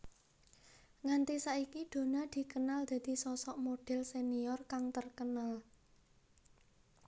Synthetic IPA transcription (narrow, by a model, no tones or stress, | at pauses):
ŋant̪isaikid̪̥o̤nad̪̥i̤kənald̪̥a̤d̪̥i̤sɔsɔʔmoɖ̥ɛ̤lseniɔrkaŋt̪ərkənal